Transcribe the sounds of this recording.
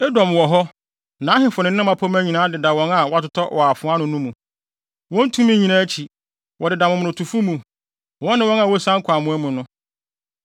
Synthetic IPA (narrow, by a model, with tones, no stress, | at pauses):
ɛ˦dɔ̃˨m˨wɔ˨ɦɔ˦ | nã˨˦ɦɪ̃˨fʊ˨nɪ̃˨n˦ɪ̃˦mã˨pʰɔ˦mæ̃˦ɲi˨nãː˨˦dɪ˨da˨wɔ̃˦na˨wɔ˦a˦tʊ˦tʰɔ˦ʔwɔ˨a˨fʊ̃˨˦ã˦nʊ̃˨nũ˦mũ˨ | wɔ̃˦n̩˦tʰũ˦mĩ˦ɲĩ˨nã˦t͡ɕʰi˨ | wʔɔ˨dɪ˨da˨mʊ̃˨mʊ̃˨ʊ̃˨tʰu˨fu˦mũ˨ | wɔ̃˦nɪ̃˦wɔ̃˦n˦a˨wɔ˦sã˦ŋ̩˦kʷʰa˨mʊ̃˨˦ɛ˦mʊ̃˨nʊ̃˦